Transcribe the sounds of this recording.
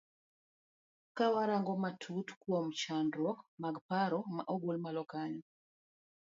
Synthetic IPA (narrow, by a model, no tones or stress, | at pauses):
kawaɾaŋɡɔmatʰutkwɔmt͡ʃandɾɔmaɡpaɾɔma̰ʔɔɡolmalɔkaɲɔ